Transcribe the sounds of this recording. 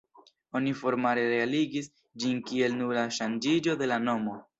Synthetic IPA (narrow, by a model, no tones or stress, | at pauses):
o̞nifo̞ɾmaɾe̞ɾe̞aliɡis | d͡ʒinkie̞lnuɾaʃand͡ʒid͡ʒo̞de̞lano̞mo̞